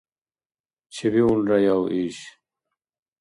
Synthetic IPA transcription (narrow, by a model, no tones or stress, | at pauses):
t͡ɕʰiβiunɾɐjawʔiːɕ